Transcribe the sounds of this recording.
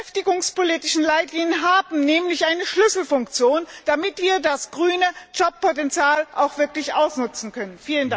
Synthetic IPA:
ɛftɪɡʊŋspoliːtɪʃn̩laɪtliːŋənɦaːbm̩nɛːmlɪçʔaɪnəʃlʏsl̩fʊŋk̚t͡sjoːnd̥amɪtv̥iːɐdasɡ̥ʁyːnəd͡ʒɔp̚ːotɛnt͡sjaːlʔaʊxv̥ɪɐklɪçʔaʊsnʊt͡sn̩kʰœnənfiːlənda

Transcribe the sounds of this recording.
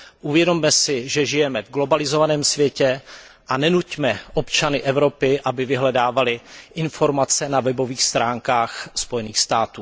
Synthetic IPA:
ʔuvjɛdo̞mːɛsɪʒɛʒɪjɛmɛvɡlo̞balɪzo̞vanɛːmsvjɛcɛ | ʔanɛnucmɛʔo̞pt͡ʃanɪʔɛvɾo̞pɪʔabɪvɪɦlɛdaːvalɪʔɪnfo̞ɾmat͡sɛnavɛbo̞viːxst̪ɾaːŋkaːxspo̞jɛniːxst̪aːt̪uː

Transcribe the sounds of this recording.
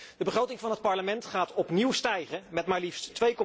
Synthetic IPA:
d̥əbəχrowtɪŋvɑnɦət̚pɑɹləmɛntχaːtɔpniwstɛjχəmɛtmaːɹlifsttʋejkɔ

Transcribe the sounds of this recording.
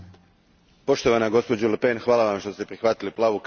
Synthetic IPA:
po̞ʃt̪o̞ʋanaɡo̞spo̞d͡ʑulpenxʋaːlˠaʋamʃt̪ost̪epɾixʋat̪iliplˠaːʋuk

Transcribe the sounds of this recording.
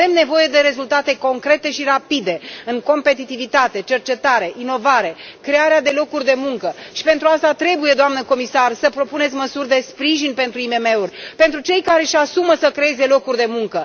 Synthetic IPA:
e̞mne̞vo̞je̞d̪e̞ɾe̞zult̪at̪e̞ko̞ŋkɾe̞t̪e̞ʃiɾapid̪e̞ɨŋko̞mpe̞t̪it̪ivit̪at̪e̞t͡ʃe̞rt͡ʃe̞t̪aɾe̞ʔino̞vaɾe̞ | kɾe̞aɾead̪e̞lo̞kurʲd̪e̞muŋkəʃi̥pe̞nt̪ɾuast̪at̪ɾe̞buje̞d̪oamnəko̞misarsəpɾo̞pune̞t̪sʲməsurʲd̪e̞spɾiʒinpe̞nt̪ɾuime̞me̞urʲpe̞nt̪ɾut͡ʃe̞jkaɾe̞ʃasuməsəkɾee̞ze̞lo̞kurʲd̪e̞muŋkə

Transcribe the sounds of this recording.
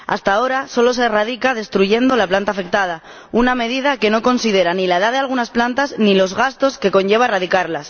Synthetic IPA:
a̰st̪ao̞ɾaso̞lo̞se̞rað̞ikaðe̞st̪ɾuʝe̞nd̪o̞laplant̪afe̞k̚t̪að̞a | uname̞ðið̞ake̞no̞ko̞nsið̞e̞ɾanilaeðaðe̞alɣ̞unasplant̪aznilo̞zɣast̪o̞ske̞ko̞ɲʝe̞β̞aeraðikaɾlas

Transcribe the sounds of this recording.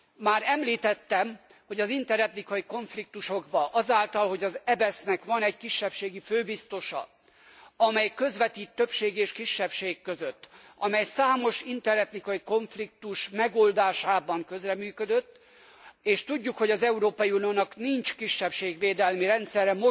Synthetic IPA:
maːɾɛmliːt̪ɛt̪ːɛmho̞ɟɒzint̪ɛɾɛt̪nikɒjiko̞ɱflik̚t̪uʃo̞ɡbɒʔɒzaːlt̪ɒlho̞ɟɒzɛbɛsnɛkʋɒnɛɟkiʃːɛpʃeːɡiføːbist̪o̞ʃɒ̰ | ɒmɛjkø̞zʋɛt̪iːt̪ːø̞pʃeːɡeːʃkiʃːɛpʃeːkːøzøt̪ːɒmɛjsaːmo̞ʃint̪ɛɾɛt̪nikɒjiko̞ɱflik̚t̪uʃmɛɡoːld̪aːʃaːbɒŋkø̞zrɛmyːkød̪øt̪ː | eːʃt̪uɟːukho̞ɟɒzɛuɾoːpɒjiunioːnɒknint͡ʃkiʃːɛpʃeːɡʋeːd̪ɛlmiɾɛnt̪sɛrɛmo

